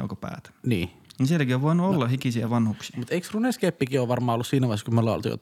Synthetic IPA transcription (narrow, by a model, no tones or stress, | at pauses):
jɑ̰ukopæ̰ːt̪niː | ninsielkioʋʋoˑinuolːɑhikisiæʋɑnhuksiɑmut̪eiksruneskepːikiːoːʋʋɑrmɑːolːussiːnæʋɑskumolːɑˑo̰lt̪ḭjo̰t̪